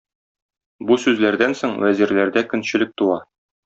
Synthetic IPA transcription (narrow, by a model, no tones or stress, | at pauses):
busʉzlæɾd̪ænsoɴwæziɾlæɾd̪ækɵ̆nɕɘ̆lɘk̚t̪uwɑ